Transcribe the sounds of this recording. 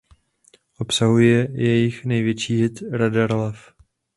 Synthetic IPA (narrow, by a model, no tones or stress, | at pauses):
ʔo̞psaɦujɛjɛjɪxnɛjvjɛt͡ʃiːɦɪt̪ɾadaɾlɛf